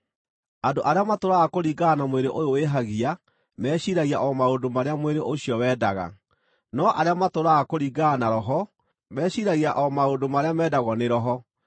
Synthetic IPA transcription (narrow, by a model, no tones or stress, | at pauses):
adoʔaɾeamatoɾaɣakoɾiːɡaːnamweɾeʔojoweɦaɣia | mɛːɕiɾaɣiaʔɔmaodomaɾeamweɾeʔoɕiɔwɛːdaɣa̰ | nɔʔaɾeamatoɾaɣakoɾiːɡaːnaɾɔɦɔ | mɛːɕiɾaɣiaʔɔmaodomaɾeamɛːdaɣɔneɾɔɦɔ